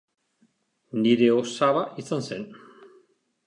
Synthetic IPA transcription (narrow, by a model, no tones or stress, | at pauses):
niɾe̞osaβaʔisansen